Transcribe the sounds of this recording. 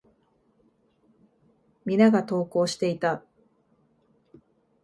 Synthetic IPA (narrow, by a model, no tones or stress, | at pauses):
mʲinaɡat̪o̞ːko̞ːɕi̥t̪e̞it̪a